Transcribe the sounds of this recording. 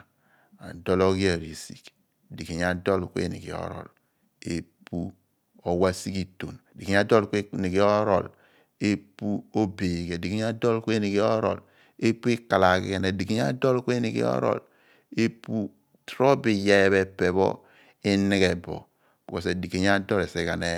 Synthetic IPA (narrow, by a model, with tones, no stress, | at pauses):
a˨do˦lo˦ɡi˦a˨ɾi˨si̥˨k | di˨ke˨ɲ˦a˦do˦˨lkʷḛ˦˨nḭ˨kḭ˨o̰˨˦ɾɔ̰˨l | e˦pu˦ | o˨wa˦si˦ki˦to˨n˨di˨e˨˦a˦do˦lke˦ni˨ɡi˦o˦ɾo̰˦˨l | e˦pu˦o˦be˨ɡe˨di˨ke˦a˦do˦lke˦ni˨ki˦o˦ɾɔ̰˨l | e˦pu˦i˦ka˨la˨kḭ˦ke˦ne˨di˨ke˨ɲ˦a̰˦do˦lke˦ni˨kḭ˦ɔ̰˦ɾɔ̰˨l | e˦pu˦ | tɾo˦bi˨ja˦βe˦pe˨bɔ̰˦ | e˦ni˦ke˨bɔ̰˨ | b̥i˨ko˨se˨di˨ke˨ɲ˦a˦dɔ˦le˨se˦ka˨ne˦